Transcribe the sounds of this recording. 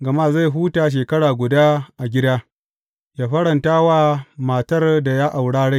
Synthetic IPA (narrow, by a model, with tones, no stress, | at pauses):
ɡɐ˨ma˦˨za˦˨ɦuː˦taː˨ʃ̬eː˨kɐ˦ɽaː˨ɡʷʊ˨daː˦ʔa˨ɡʲɪ˦daː˦ | jaː˦ɸɐ˦ɽɐ˨ntaː˦waː˦ma˨tɐ˦rda˨ja˦ʔa˨wɽaː˦ɽa˦˨